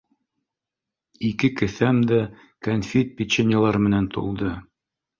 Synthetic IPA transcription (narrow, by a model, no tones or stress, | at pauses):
ikɘkɘ̆θæmd̪æ | kɐnfʲit̪̚pʲit͡ɕenʲalˠɑɾmɘ̆nænt̪ṵlˠd̪ɤ